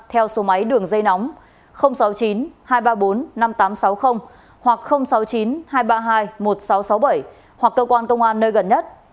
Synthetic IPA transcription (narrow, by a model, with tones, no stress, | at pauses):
t̪ʰɛ˧wso˨˦ma˨˦jɗɨ˨˩əŋzə˧jnɔ˨˦wŋ͡m | xə˧wŋ͡msa˨˦wt͡ɕi˨˦nhaː˧jɓaː˧ɓo˨˦nːa˧mt̪aː˨˦msa˨˦wxə˧wŋ͡m | hwa˨˩k̚xə˧wŋ͡msa˨˦wt͡ɕi˨˦nhaː˧jɓaː˧ɦaː˧jmo˨˩t̚sa˨˦wsa˨˦wɓə˧˩j | hwa˨˩kːəː˧kwaː˧nkə˧wŋ͡mʔaː˧nːəː˧jɣə˨˩nɲə˦˥t̚